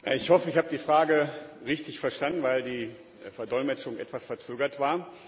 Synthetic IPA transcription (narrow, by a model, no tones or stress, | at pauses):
ja̰ɪçhɔfəɪçhaːbədiːfʁ̥aːɡəʁɪçtɪçfɛɐʃtandn̩vaɪldiː | fɛɐdɔɪlmɛt͡ʃʊŋʔɛ̰tv̥asfɛɐt͡søːɡɐtv̥aːɐ